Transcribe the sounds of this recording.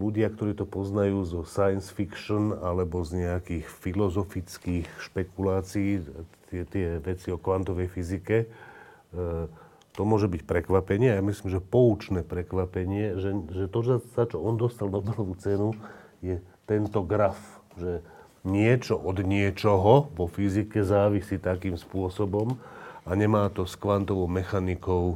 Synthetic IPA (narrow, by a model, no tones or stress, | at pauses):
luɟɪakt̪ɔɾiːt̪ɔpɔznajuːzɔsajnsfikʃɔnalɛbɔzɲɛakiːxfilɔzɔfit͡skiːxʃpɛkulaːt͡siiːt̪ɪɛt̪ɪɛʋɛt͡siɔkʋant̪ɔʋɛjfizikɛ | t̪ɔmʊɔʒɛbicpɾɛkʋapɛɲɪɛajamisliːmʒɛpɔut͡ʃnɛːpɾɛkʋapɛɲɪɛʒɛʒɛt̪ɔʒɛzat͡ʃɔɔnd̪ɔst̪alnɔbɛlɔʋut͡sɛnu | jɛt̪ɛnt̪ɔɡɾafʒɛ | ɲɪɛt͡ʃɔʔɔd̪ɲɪɛt͡ʃɔɦɔʋɔfizikɛzaːʋisit̪akiːmspʊɔsɔbɔmaɲɛmaːt̪ɔskʋant̪ɔʋɔʊmɛxanikɔʊ